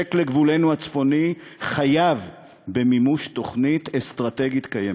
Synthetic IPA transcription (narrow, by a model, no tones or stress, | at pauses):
ekle̞ɡvule̞nuat͡sfo̞ni | χajav | be̞mimuʃto̞χnitestʁate̞ɡit̪kaje